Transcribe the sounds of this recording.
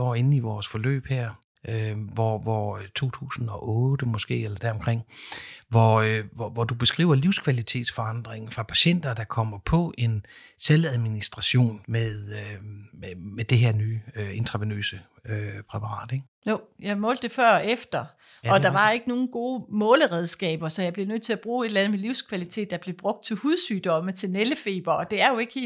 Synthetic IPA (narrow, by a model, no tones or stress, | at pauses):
ɒ̰ːe̝nn̩iʋɒːsfɒ̽lø̰ːb̥heɐ̰ | ʔøʋɒʋɒt͡sʰo̝̰ːt͡sʰṵːsn̩ɒ̽ʔɔ̽ːd̥əmɒ̽sɡ̥e̝̰ːelɐd̥æɐɒmkʰʁeŋ̰ʋɒʋɒʋɒd̥ub̥e̝sɡ̥ʁḭːʊɐliʊskʰʋælit͡sʰe̝̰ːd̥sfɒ̽ɑ̈n̰d̥ʁeŋ̩fʁɑ̈pʰæɕen̰d̥ɐd̥ɑ̈kʰɒ̽m̰ɐpʰɒ̽ʔe̝nselæðˠminisd̥ʁɑ̈ɕo̝̰ːnmeðˠø | med̥e̝ɦeɐnyːøent͡sʰʁɑ̈ʋenø̰ːsə | øpʰʁɛpʰɑ̈ʁɑ̰̈ːd̥eɡ̥ | jojɑɪmɔ̽ːld̥e̝fɶɐ̰efd̥ɐ | ɒ̽d̥ɑ̈ʋɑ̈e̝ɡ̥əno̝ːn̩ɡ̥o̝ːmɔ̽ːləʁɛð̞ˠsɡ̥ɛ̰ːb̥ɐsɒ̽jɑ̈ɪble̝nøð̰ˠt͡sʰe̝læb̥ʁuːe̝d̥lænð̩ˠmeliʊskʰʋælit͡sʰe̝̰ːd̥ɑ̈b̥le̝b̥ʁɔ̽ɡ̥̚d̥̚t͡sʰe̝huðˠsyːd̥ɒ̽mət͡sʰe̝lneləfe̝̰ːb̥ɐɒ̽d̥e̝æɐjo̝e̝ɡ̥